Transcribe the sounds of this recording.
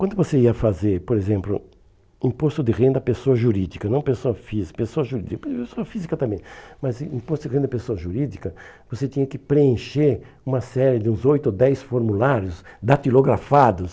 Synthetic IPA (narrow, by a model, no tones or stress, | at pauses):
kwɐ̃nd̪ʊvoseiɐfazeɾpoɾezẽmplʊ̰ | ĩpost̪ʊd̪ɪʁẽnd̪ɐpesoɐʒuɾid͡ʒikɐnɐ̃w̃pesoɐfizipesoɐʒuɾid͡ʒikɐpepesoɐfizikɐt̪ɐ̃mbẽmɐzĩpost̪ʊd̪ɪẽd̪ɐpesoɐʒuɾid͡ʒikɐ | voset͡ʃ̪ĩɲɐkɪpɾeẽʃeɾ | ũmɐsɛɾɪd͡ʒ̪ɪũzojt̪ʊod̪ɛjsfoɾmulaɾjʊsd̪at̪iloɡɾafad̪ʊs